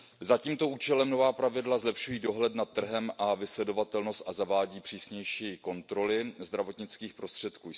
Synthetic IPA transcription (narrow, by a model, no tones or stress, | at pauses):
zaciːmt̪o̞ʔuːt͡ʃɛlɛmno̞vaːpɾavɪdlazlɛpʃujiːdo̞ɦlɛt̪nat̪ːr̩ɦɛmʔavɪslɛdo̞vat̪ɛlnost̪ʔazavaːɟiːpr̥iːsɲɛjʃiːko̞nt̪ɾo̞lɪzd̪ɾavo̞t̪ɲɪt͡skiːxpɾo̞st̪r̝̥ɛt̪kuː